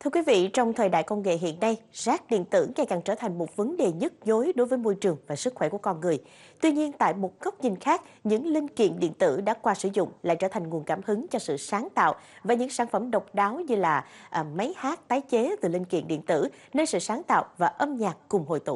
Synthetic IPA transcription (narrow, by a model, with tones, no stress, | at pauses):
t̪ʰɨ˧əkwi˨˦vḭ˧˨t͡ɕɔ˧wŋ͡mt̪ʰəː˨˩jɗa̰ː˧˨jkə˧wŋ͡mŋḛ˧˨ɦḭ˧˨ənːa˧jzaː˦˥k̚ɗḭ˧˨ənt̪ɨ̰˧˥ŋa˨˧˩jka˨˩ŋt͡ɕəː˧˩t̪ʰa˨˩jŋ̟mo˨˩t̚və˨˦nɗe˨˩ɲə˦˥t̚zo˨˦jɗo˨˦jvəː˨˦jmo˧jt͡ɕɨ˨˩əŋvaː˨˩sɨ˦˥k̚xwɛ˧˩ku˧˩əkɔ˧nŋɨ˨˩əj | t̪wi˧ɲi˧ənt̪a̰ː˧˨jmo˨˩t̚ɣə˦˥wk͡p̚ɲï˨˩n̟xaː˦˥k̚ɲɨ̰˧˥ŋlï˧ŋ̟kḭ˧˨ənɗḭ˧˨ənt̪ɨ̰˧˥ɗa̰ː˧˥kwaː˧sɨ˧˩zʊ̰˧˨ŋ͡mla̰ː˧˨jt͡ɕəː˧˩t̪ʰa˨˩jŋ̟ŋu˨˩ənkaː˧˩mhɨ˨˦ŋt͡ɕɔ˧sɨ̰˧˨saː˨˦ŋt̪a̰ː˧˨wvaː˨˩ɲɨ̰˧˥ŋsaː˧˩˦nfə˧˩mɗə˨˩wk͡p̚ɗaː˨˦wɲɨ˧laː˨˩ʔma˨˦jhaː˦˥t̚t̪aː˨˦jt͡ɕe˨˦t̪ɨ˨˩lï˧ŋ̟kḭ˧˨ənɗḭ˧˨ənt̪ɨ̰˧˩ne˧nsɨ̰˧˨saː˨˦ŋt̪a̰ː˧˨wvaː˨˩ʔə˧mɲaː˨˩kːʊ˨˩ŋ͡mɦo̰˧˨jt̪ṵ˧˨